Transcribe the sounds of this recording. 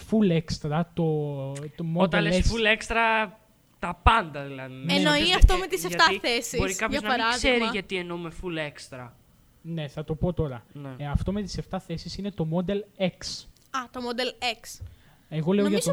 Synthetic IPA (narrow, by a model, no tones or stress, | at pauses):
fulekst̪ɾɐt̪o̞t̪omood̪elesefulekst̪ɾɐ | t̪ɐpɐnd̪ɐðilɐðenenoiɐft̪omet̪isseʝt̪ɐθesibos̞ɾikɐpɐznɐɐiɾɐzseɾiʝɐt̪ienomefulekst̪ɾɐ | ne̞θɐt̪o̞po̞t̪o̞ɾɐneɐft̪o̞me̞t̪i̥se̞ft̪ɐθe̞sisine̞t̪o̞mo̞d̪e̞leks | ɐt̪omod̪eleks | eɣo̞le̞oʝɐt̪o